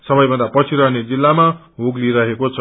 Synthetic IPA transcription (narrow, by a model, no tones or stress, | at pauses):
sʌbʌjbʌnd̪apʌt͡sʰiɾʌɦned͡zilːama | ɦoɡliɾʌɦekot͡sʰʌ